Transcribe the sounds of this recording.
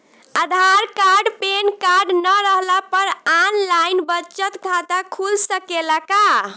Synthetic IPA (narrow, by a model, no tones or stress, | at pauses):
əd̪ʱaɾkaɾɖpenkaɾɖnəɾəɦlapəɾanlajnbəːt͡ʃət̪kʰat̪akʰulsəkelaka